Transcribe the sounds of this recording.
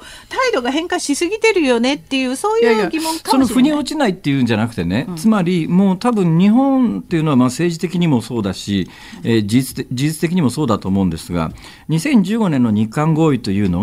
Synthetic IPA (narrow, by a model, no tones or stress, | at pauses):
t̪aid̪o̞ɡaɦẽ̞ŋkaɕisɨɡʲit̪e̞ɾɯ̟jo̞ne̞t̪ːe̞jɯ̟ːso̞ːjɡʲimõŋkasonoɸɯ̟ɲ̟ioːt͡ɕinait̪ːe̞jɯ̟ːɲ̟d͡ʑanakɯ̟̥t̪ene̞t͡sɨmaɾʲimo̞ːt̪abɯ̟̃ɲ̟ɲiɦõ̞nt̪e̞iɯ̟no̞βamase̞ːʑit̪e̞kʲiɲ̟imo̞so̞ːd̪aɕi | ed͡ʑit͡sɨ̥t̪ed͡ʑiʑit͡sɨ̥t̪e̞kʲiɲ̟imo̞so̞ːd̪at̪o̞ːmo̞ɯ̃nd̪e̞sɨɡa̰ | ɲ̟isẽ̞ɲ̟d͡ʑɨːɡo̞nẽ̞nːo̞ɲ̟ikãŋɡo̞ːit̪o̞jɯ̟ːno̞